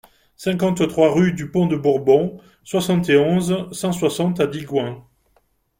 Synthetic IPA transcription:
sɛ̃kɑ̃t̪t̪χwaʁyd̪ypɔ̃d̪əbuʁbɔ̃ | swasɑ̃t̪eɔ̃zsɑ̃swasɑ̃t̪ad̪iɡwɛ̃

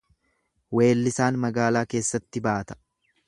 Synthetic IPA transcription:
we̞ːlːɪsaːnmɐɡaːlaːke̞ːsːɐt̪ːɪbaːt̪ɐ̥

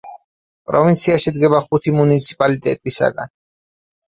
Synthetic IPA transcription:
pʼɾɔvint̪sʰiaʃɛd̪ɡɛbaχut̪ʰimunit̪sʰi̥pʼalit̪ʼɛ̰t̪ʼisa̰ɡa̰n

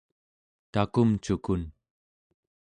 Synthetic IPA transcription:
t̪akumt͡ʃukun

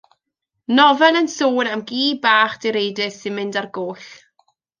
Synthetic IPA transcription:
nɔvɛnənsoːnamɡiːbaːχd̥ɪɾejdɪsɪnmɪndarɡoːɬ

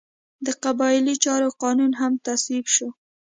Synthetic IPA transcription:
d̪əqabɑɪlit͡ʃɑɾoqɑnunɦamt̪aswibʃo

